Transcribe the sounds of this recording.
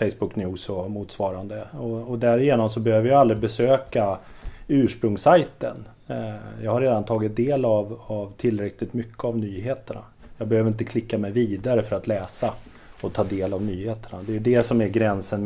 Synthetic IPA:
fɛjsbɵkːnuːsɔmuːt̪svɑːɾand̪əɔɔd̪æɾɪjeːnɔmsɔbɛhøːvəɾjaald̪ɾɪbɛsøːka | ʉ̟ːʂpɾɵŋsajt̪ə̰n | jɑːɡhaɾeːd̪ant̪ʰɑːɡɪt̪̚d̪eːlavavt̪ʰɪlːɾɛklɪt̪mʏkʰːəavnyːɦeːt̪əɳa̰ | jɑːɡbɛhøːvəɾɪnt̪əkʰlɪkːamɛjviːd̪aɾəfœɾat̪lɛːsa | ɔt̪ʰɑːd̪eːlavnyːheːt̪əɳa̰d̪ɛjɵd̪ɛsɔmæɾɡɾɛnsən

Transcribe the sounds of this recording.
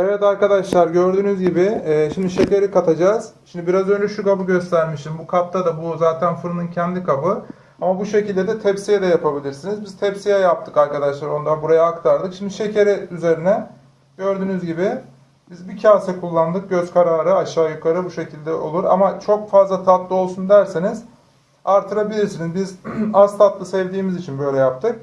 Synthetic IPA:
evɛt̪aɾkad̪aʃlˠaɾɟø̞ɾd̪yːnyzɟibɪːʃimd̪iʃe̞ceɾɛkat̪ʰad͡ʒaːz̥ʃimd̪ibiɾazø̞nd͡ʒɛʃukabɯɟø̞st̪ʰæɾmiʃt̪imbukʰap̚t̪ʰad̪abuzaːt̪ʰænfɯɾɯnɯncʰɛnd̪ikʰabɯ | amabuʃe̞cilʲd̪ɛd̪ɛt̪ʰɛpsijɛd̪ɛjapʰabilʲiɾsinizbiz̥t̪ʰɛpsijɛjap̚t̪ʰɯkaɾkad̪aʃlˠaɾo̞nd̪anbuɾajaːkt̪ʰaɾd̪ɯkʃimd̪iʃe̞cʰeɾɛyze̞ɾinɛ | ɟø̞ɾd̪yːnyzɟibɪ | bizbicʰaːsɛkʰulˠːand̪ɯk̚ɟø̞zkʰaɾaːɾɯaʃaːjukʰaɾɯbuʃe̞cʰilʲd̪ɛʔo̞̰lˠuɾa̰mat͡ʃʰo̞kfazlˠat̪ʰat̪lˠɯo̞lˠsund̪æɾsiniz̥ | aɾt̪ʰɯɾabilʲiɾsinizbizast̪ʰat̪lˠɯsɛvd̪iːmizit͡ʃʰinbø̞jlʲɛjap̚t̪ʰɯk̚

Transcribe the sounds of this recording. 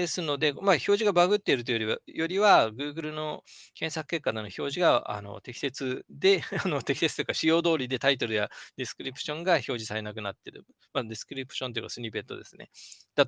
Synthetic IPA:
esɨno̞d̪e̞maço̞ːʑiɡabaɡɯ̟t̪ːeɾɯt̪̬ojoɾʲiβajo̞ɾʲiβaɡɯ̟ːɡɯ̟ɾɯ̟no̞kẽ̞ɰ̃sakɯ̟ke̞kːad̪eno̞ço̞ːʑiɡaa̰no̞̰t̪e̞kʲi̥se̞t͡sɨd̪e̞ano̞t̪e̞kʲise̞t͡sɨ̥t̪eikaɕijo̞ːd̪o̞ːɾʲid̪e̞t̪ait̪o̞ɾɯ̟jad̪ʲesɨ̥kɯ̟ɾʲipɯ̟̥ɕõ̞ŋɡaço̞ːʑisaɾe̞nak̬ɯ̟nat̪ːe̞ɾɯ̟̰ | mad̪ʲesɨ̥kɯ̟ɾʲipɯ̟̥ɕo̞nt̪oji̟̰kasɨɲ̟ibe̞t̪ːo̞d̪e̞̰sɨne̞̰d̪̥at̪

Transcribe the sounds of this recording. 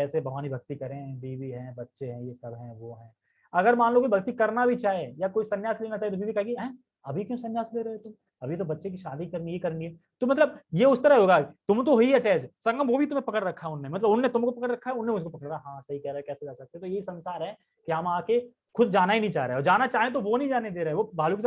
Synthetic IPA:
kɛːsebɐɦaːnibʱɐk̚t̪ikɐɾẽɦɛ̃bʱiːbiɦɛ̃bɐtːʃeɦɛ̃jesɐbɦɛ̃ʋoɦɛ̃ː | ɐɡəɾmãːnlõkibʱɐkt̪ikɐɾnabʱit͡ʃaːɦejakoːisɐnjaːsleːnat͡ʃaːiet̪obʱibʱikɐɦẽɡeɦɛ̃ | ɐbʱikjõsɐnjaːsleːɾɐet̪ʊm | ɐbʱit̪̬obɐtːʃekiʃaːd̪ikɐɾnɡiekɐɾnɡie | t̪omɐt̪ləb̚jeʊst̪ɐɾaɦɦoːɡaːt̪ʊmt̪̬oɦoiɦɛʈɛːd͡ʒsɐŋɡə̃mʋobʱit̪̬ʊmẽpɐkəɽɾɐkʰːaɦɛʊnːemɐt̪ləbʊnːet̪ʊmkopɐkəɾɾɐkʰːaɦɛʊnːẽʊskopɐkəɽaɦãːsɐɦikɛɦɾaɛkɛːsekɛsɐk̚t̪eɛt̪ojeɦisɐ̃nsaːɾɦɛ̃ː | kiamãːke | xʊd̪̚d͡ʒaːnaɦinɐɦĩt͡ʃaːɾḛeɔːɾd͡ʒaːnat͡ʃaːɦet̪̬oʋonɐɦĩd͡ʒaːned̪eːɾaːɦɛʋobʱaːlukis

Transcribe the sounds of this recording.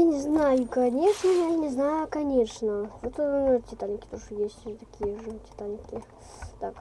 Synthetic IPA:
nʲɪznajʊkɐnʲe̞ʂnəjanʲɪznajʊkɐnʲeʂnəvot̪notʲɪt̪anʲkʲɪ̥t̪oʂəjesʲtʲt̪ɐkʲijəʐətʲɪ̥t̪anʲkʲɪ | t̪ak

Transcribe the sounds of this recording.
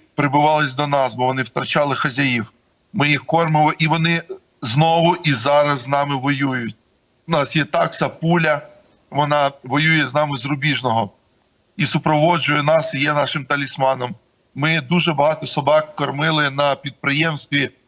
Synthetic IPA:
pɾɪbʊʋɑlˠɪsʲd̪ɔnɑsbɔʋɔnɪwt̪ɾɐt͡ʃɑlˠɪxɐzʲajiw | mɪjixkɔrmɪmˠɪʔiʋɔnɪ | znɔʋʊʔizɑɾɐzːnɑmɪʋɔjujʊt̚ʲ | ʊnɑsjɛt̪ɑksɐpulʲɐ | ʋɔnɑʋɔjujɛznɑmɪzrʊbʲiʒnɔɦɔ | isʊpɾɔʋɔd͡ʒʊjɛnɑsjɛnɑʃɪmt̪ɐlʲismɑnɔm | mɪd̪uʒɛbɐɦɑt̪ɔsɔbɑkkɐrmɪlˠɪnɐpʲid̪̚pɾɪjɛmst̪ʲʋʲi

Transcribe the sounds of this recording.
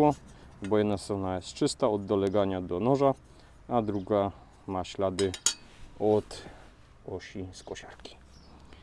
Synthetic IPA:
ɔbɔjɛd̪nast̪ɾɔnajɛst̪t͡ʂɘst̪aɔd̪ːɔlɛɡaɲad̪ɔnɔʐa | ad̪ɾuɡa | maɕlad̪ɘ | ɔt̪ | ɔɕiskɔɕaɾkʲi̥

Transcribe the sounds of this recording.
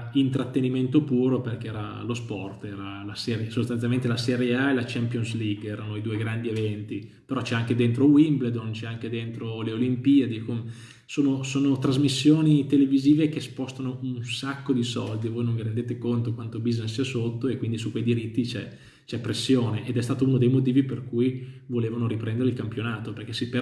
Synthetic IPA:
int̪ɾat̪ːeniment̪opuːɾoperkeɛːɾa̰ | lospɔrt̪ɛːɾa | lasɛɾjesost̪ant̪jalment̪̬elasɛɾjeaelat͡ʃɛmpjonsliɡɛːɾanoid̪uːeɡɾand̪ievɛnt̪ipeɾɔt͡ʃɛaŋk̟ed̪ent̪ɾowimbled̪ont͡ʃɛaŋk̟ed̪ent̪ɾoleolimpiːad̪ikome | soːnosoːnot̪ɾazmisːjoːnit̪eleviziːvek̟espɔst̪anounsakːod̪isɔld̪ivojnõɱviɾend̪eːt̪ekont̪okwant̪obiznessiɛsot̪ːoekːwind̪isukwejd̪iɾit̪ːit͡ʃɛ | t͡ʃɛpːɾesːjoːneʔed̪ɛst̪aːt̪ounod̪ejmot̪̬iːviperkujvoleːvanoɾipɾɛnd̪eɾeilkampjonaːt̪operk̟ɛsipe

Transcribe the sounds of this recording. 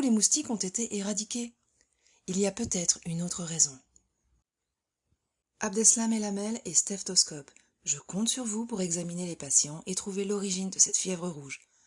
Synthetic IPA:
ulemust̪ikɔ̃t̪et̪eʔeʁad̪ikʲe | iliapøt̪ɛt̪χynot̪χəʁɛzɔ̃ | ab̚d̪ɛslamɛlamɛlest̪ɛft̪ɔskɔp | ʒəkɔ̃t̪syʁvupuʁɛɡzaminelepasjɑ̃ʔet̪χuvelɔʁiʒind̪əsɛt̪fjɛvʁəʁuʒ

